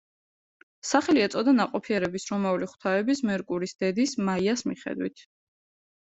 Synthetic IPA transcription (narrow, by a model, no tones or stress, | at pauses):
saχɛliɛt̪sʼɔd̪anaqʼɔpʰiɛɾɛbisɾɔmauliχw̥t̪ʰaɛbismɛɾkʼuɾisd̪̥ɛd̪ismaiasmiχɛ̰d̪wḭt̪ʰ